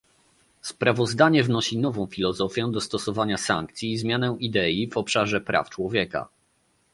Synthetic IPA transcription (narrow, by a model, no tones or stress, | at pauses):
spɾavɔzd̪aɲɛvnɔɕinɔvɔ̃w̃fʲilɔzɔfʲjɛ̃d̪ɔst̪ɔsɔvaɲasa̰ŋk̚t̪sʲjiːzmʲjanɛʔid̪ɛjivɔpʂaʐɛpɾʔa̰ft͡ʂwɔvʲjɛka̰